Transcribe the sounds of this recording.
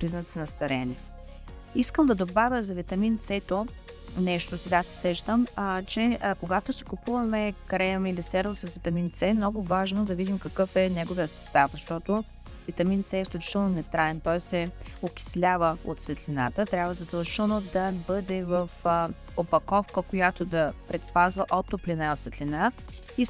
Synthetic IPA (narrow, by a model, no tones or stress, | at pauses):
pɾiznət̪snɐst̪ɐɾɛnʲɛ | iskəmd̪ɐd̪obavʲjəzɐvit̪ɐmint̪sɛt̪o | nɛʃt̪osɛɡasɛ̥sɛʃt̪əmt͡ʃɛkoɡat̪osɛ̥kʊpuvɐmɛkɾɛɐmilisɛɾlˠosɐsvit̪ɐmint̪sɛmnɔɡʊvaʒnod̪ɐvid̪imkɐkɤfɛnɛɡovijəsɛ̥st̪afzɐʃt̪ɔt̪o | vit̪ɐmint̪sɛfsk̪luʊt͡ʃi̥t̪ɛlˠnonɛt̪ɾaɛnt̪ɔjsɛokʲi̥slʲavəo̰t̪svɛt̪lʲina̰t̪ət̪ɾʲabvəzɐd̪ɐlˠʒit̪ɛlˠnod̪ɐbɤd̪ɛvɐf | opɐkɔfkəkojat̪od̪ɐpɾɛt̪pazvəʔɔt̪ːoplʲinaot̪svɛt̪lʲina | i